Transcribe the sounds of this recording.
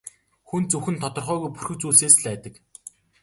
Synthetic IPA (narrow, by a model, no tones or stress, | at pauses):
xunt͡sɵxɘ̆nt̪ʰɔt̪ɞ̆rχœːɣujpu̥rxɘ̆t͡suːɮseːsɮæːt̪ə̆k